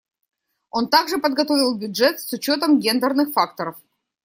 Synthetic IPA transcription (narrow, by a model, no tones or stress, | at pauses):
o̞nt̪aɡʐɨpəd̪̚ɡɐt̪o̞vʲɪlˠbʲʊdʐɛt̪sʊt͡ɕo̞t̪əmɡʲend̪ərnɨxfak̚t̪əɾəf